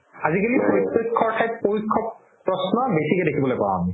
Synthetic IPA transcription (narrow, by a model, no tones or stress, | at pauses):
azikalipoɹitːokʰːɔɹtʰajp̚poɹikʰːɔ | pɹɔsnɔbesikɛdekʰibɔlojpa̰ɹã̰ami